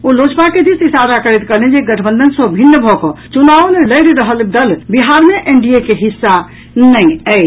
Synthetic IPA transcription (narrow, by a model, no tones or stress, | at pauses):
olod͡ʒpaked̪isisaɾakəɾet̪kəled͡ʒeɡəʈʰəbə̃nd̪ʱənsəbʱinːəbʱɔkɔ̃t͡ʃunaʋneləɪɾɾəɦəld̪əlbiɦaɾmeʔeɳɖiekeɦisːa | nəĩəɪt͡ʃ